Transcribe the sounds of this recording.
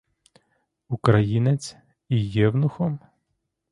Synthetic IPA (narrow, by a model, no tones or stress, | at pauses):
ukɾɐjinet͡sʲ | ijɛwnʊxɔm